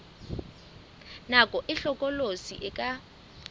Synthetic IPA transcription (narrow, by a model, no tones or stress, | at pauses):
nakʼɔʔɪɬɔkʼɔlosḭʔɛkʼa